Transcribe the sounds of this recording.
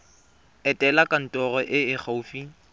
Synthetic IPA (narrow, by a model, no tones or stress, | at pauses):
ɛtʼɛlakʼan̩tʼɔrɔʔɪɪk͡xʰaufi